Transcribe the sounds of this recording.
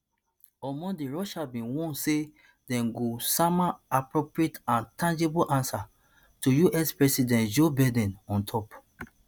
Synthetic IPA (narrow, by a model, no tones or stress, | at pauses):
ɔmɔ̃diɹɔʃabĩwɔ̃nse | dɛ̃mɡosamaapɹopɹietãntʰãnd͡ʒebulʔãnsa | tujuʔɛspɹɛsidɛ̃ntd͡ʒobɛdɛ̃nɔ̃ntʰɔp